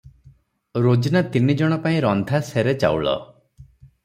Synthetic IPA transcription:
ɾod͡ʒinat̪inid͡ʒɔɽ̃ɔpaĩɾɔnd̪ʱaseɾet͡ʃa̰wɭɔ̰

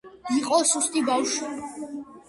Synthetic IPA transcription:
iqʼɔsust̪ʼibawʃwi

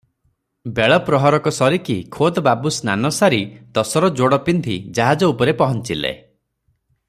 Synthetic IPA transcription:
beɭɔpɾɔɦɔɾɔkɔsɔɾikikʰod̪ɔbabusnanɔsaɾit̪ɔsɔɾɔd͡ʒoɽɔpind̪ʱid͡ʒaɦad͡ʒɔupɔɾepɔɦɔnt͡ʃilḛ

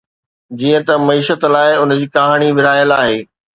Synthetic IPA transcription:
d͡ʑiːə̃t̪ɐmɐiːʃət̪laːɪʊnd͡ʑiːkɐɦaːɽ̃iʋɪɾaːjəlaːɦeː

